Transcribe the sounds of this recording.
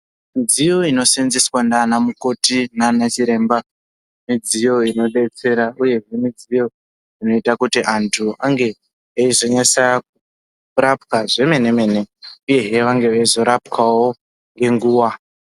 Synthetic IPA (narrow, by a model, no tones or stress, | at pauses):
mid͡zijo̞ino̞senzeswandanamuko̞tinanat͡ʃiɾe̞ːmba | mid͡zijo̞ino̞ɗe̞t͡se̞ɾauje̞ɦe̞mid͡zijo̞ | ino̞itakutiʔantʰuʔaŋɡe̞ | aizo̞ɲasak̚u | rapkaʐe̞me̞ne̞me̞ne̞uje̞ɦe̞ʋaŋɡe̞ʋaizo̞ɾapkawo̞ | ŋɡe̞ŋɡuːwa